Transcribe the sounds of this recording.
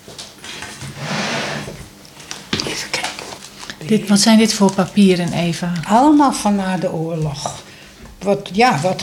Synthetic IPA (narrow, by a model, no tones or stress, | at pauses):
fək | d̥ɪtʋɔtsɛjndɪtfopapiːəɾənʔeːvaɔlˠəmalˠfɔnaːdəʔoərlɔx | ʋɔjaʋɔt